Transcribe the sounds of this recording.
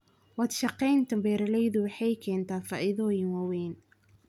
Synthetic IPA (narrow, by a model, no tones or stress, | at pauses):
wɑd̪ʃɑqɛjnt̪ʰɐmbɛːɾɐlɛjðʊwɑħɑjkʰɛːnt̪ʰaːfɑːʔɪðɔːjɪnwɑwɛːn